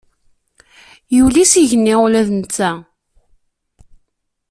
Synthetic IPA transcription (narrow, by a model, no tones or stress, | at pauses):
julisiʝənːɪlæðnt͡s̪ːæ